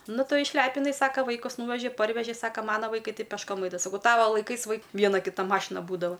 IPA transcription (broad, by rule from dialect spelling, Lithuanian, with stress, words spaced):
ˈnʊ ˈtʊ ɪʃʲˈlʲæːpʲɪnɐɪ ˈsɑːkɐ ˈʋɐɪkʊs ˈnuːʋʲɛʒʲɪ ˈpɐrʲʋʲɛʒʲɪ ˈsɑːkɐ ˈmɑːnɐ ʋɐɪˈkɐɪ ˈtɐɪ pʲɛʃˈkoːm ˈɐɪdɐʋɐ sɐˈkɐʊ ˈtɑːʋɐ lˠɐɪˈkɐɪs ʋɐɪk ˈʋʲiɛnɐ ˈkʲɪtɐ ˈmɑːʃʲɪnɐ ˈbuːdɐʋɐ